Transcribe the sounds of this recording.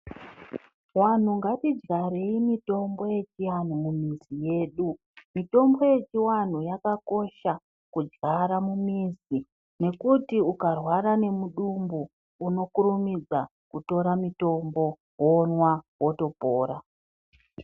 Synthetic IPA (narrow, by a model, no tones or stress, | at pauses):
wan̤uŋɡatid͡ʒɡaɾe̞imito̞mbo̞je̞t͡ʃiwan̤umumizije̞ːɗu | mito̞mbo̞je̞t͡ʃiwan̤ujakako̞ʃa | kud͡ʒɡaɾamumizi | ne̞kutiukarwaɾane̞muɗumbu | uno̞kurumid͡za | kuto̞ɾamito̞mbo̞ | wonwawoto̞poːɾa